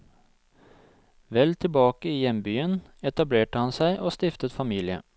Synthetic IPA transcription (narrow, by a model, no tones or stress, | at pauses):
ʋɛlt̪ʰɪlbɑːkəiːjɛmbyːən | ɛt̪ɑbleːʈəhɑnsæɪʔoːst̪ɪft̪ət̪fɑmiːlɪə̰